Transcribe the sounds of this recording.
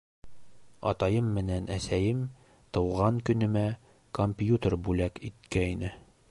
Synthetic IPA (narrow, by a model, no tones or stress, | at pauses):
ɒ̰t̪ɑjɤmːɘ̆nænæsæjɘm | t̪ɤ̆wʁɑŋkɵ̆nɵ̆mæ | komʲpʲjut̪ərbʉlækit̪̚kæinɘ